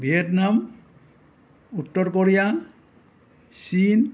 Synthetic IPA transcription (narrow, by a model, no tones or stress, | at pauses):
bʱietnam | utːɔɾkɔɾija | sin